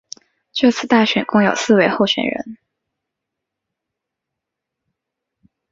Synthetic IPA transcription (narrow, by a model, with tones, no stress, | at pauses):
ʈ͡ʂɤ˥˧t͡sʰɹ̩˥˧t̪a˥˩ɕɥɛ˨˩nkʊ˥˧ŋjo̰˨˩ʊsɹ̩˥˩we˧˥ɪxo˥˩ʊɕɥɛ̰˨˩nɻə̰˧˥n